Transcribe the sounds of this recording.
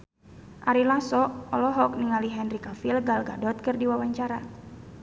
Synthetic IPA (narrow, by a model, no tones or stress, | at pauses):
ʔaɾilasɔɔlɔɦɔk̚niŋaliɦɛnrikafilɡalɡadɔt̪̚kɨrdiwawaɲt͡ʃaɾa